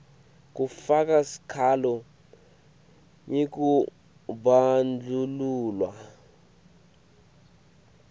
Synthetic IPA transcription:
k̬ufak̬ʼasi̥kʰalɔ | jek̬ʼu | ɓand͡ɮʱuluːlwa

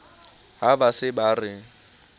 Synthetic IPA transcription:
ɦabasɪbarɪ

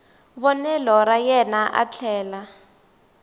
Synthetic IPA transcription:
βɔnɛlɔɾajɛnaʔa̰t͡ɬʰɛːla

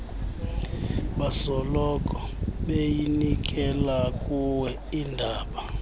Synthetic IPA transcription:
ɓasɔlɔkʼɔ | ɓejinik̬ʼɛlakʼuwɛ | indʱaːɓa

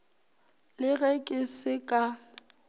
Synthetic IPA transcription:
lɪɣɛkʼɪsɪkʼa

